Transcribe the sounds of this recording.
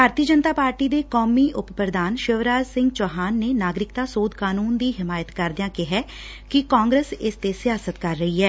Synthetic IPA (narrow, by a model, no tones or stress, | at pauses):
bʱaːɾt̪iːəd͡ʒənt̪aːpaːɾʈiːd̪eːkoːmiːʔʊppɾəd̪aːnʃəʋɾaːd͡ʒsɪ̃ŋɡt͡ʃɔːɦaːnːeːnaːɡɾɪkt̪aːsoːd̪kaːnuːnd̪iːɦɪmaːjət̪kəɾd̪ɪjãːkɪɦɛː | kɪkaːŋɡɾeːsɪst̪eːsɪjaːsət̪kəɾːəiːɦɛː